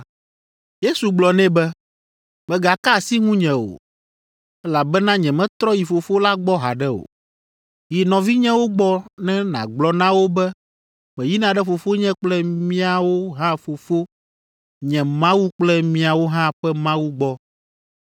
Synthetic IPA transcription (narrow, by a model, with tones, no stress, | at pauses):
je˦su˨ɡ͡blɔ˨nɛ̃˦bɛ˦ | mɛ̃˨ɡa˨ka˦˨si˦ŋũ˦ɲɛ̃˨o̰˨ | ɛ˦la˨bɛ˦nã˦ɲɛ̃˨mɛ̃˦t̪ɾɔ˦ji˨fo˨fo˦la˦ɡ͡bɔ˦ɦa̰˨ɖɛ˦o̰˨ | ji˨nɔ̃˨vi˦ɲɛ̃˦wo˦ɡ͡bɔ˦nɛ̃˦nã̰˨ɡ͡blɔ˨nã˦wo˦bɛ˦ | mɛ̃˨ji˦nã˨ɖɛ˦fo˨fo˦ɲɛ̃˦k͡plɛ˦mĩ˦a˨wo˦ɦã˦fo˨fo˦ | ɲɛ̃˨mã˦wu˦k͡plɛ˦mĩ˦a˨wo˦ɦã˦ɸɛ˦mã˦wu˦ɡ͡bɔ˦